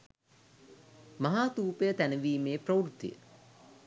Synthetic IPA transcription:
maɦaːt̪uːpejət̪ænəʋiːmeːprɐwɾut̪ːḭjə̰

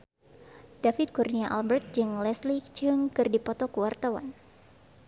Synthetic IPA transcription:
d̥afit̪̚kurniaʔalbɛrt̪̚d͡ʒɨŋlɛslit͡ʃɨŋkɨrdipɔt̪ɔkəwart̪awa̰n

